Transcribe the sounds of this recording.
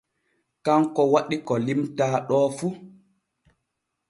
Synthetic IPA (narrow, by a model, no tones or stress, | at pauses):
kaŋkɔwaɗikɔlimtaːɗɔːfu